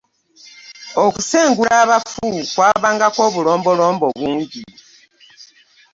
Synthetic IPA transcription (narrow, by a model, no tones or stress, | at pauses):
okuseːŋɡuɾaːβafukwaːβaːŋɡakwo̞ːβulo̞ːmbo̞lo̞ːmboβuːɲɟi